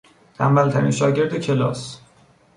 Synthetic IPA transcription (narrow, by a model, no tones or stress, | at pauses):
t̪ʰæ̰mːælt̪ʰæɾḭnʃɒːɟe̞ɾd̪ecʰe̞lɒ̰ːs